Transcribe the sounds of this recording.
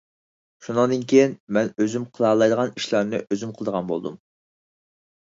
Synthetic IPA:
ʃunɨŋd̪ɨnkʲʰejinmɛnøzymqʰəlˠɑːlˠɑjd̪əʁɑniʃlˠɑɾnɨʔøzymqʰəlˠd̪əʁɑnbolˠd̪ṵm

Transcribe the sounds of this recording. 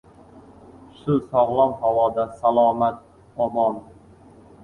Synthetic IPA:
ʃʊsɒʁlˠɒŋhawɒːd̪asalˠɒːmat̪̚ | ɒmɒn

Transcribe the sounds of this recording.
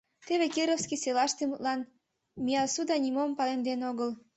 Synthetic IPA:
t̪eβekiɾofskiselɑʃt̪emut̪lɑn | mʲijɑsud̪ɑnʲimompɑlend̪enoɣəl

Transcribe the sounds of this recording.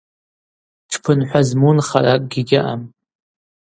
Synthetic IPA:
ʈ͡ʂʰpʰɨnħʷᶣazmunχarakʼɡʲiɡʲɪʔam

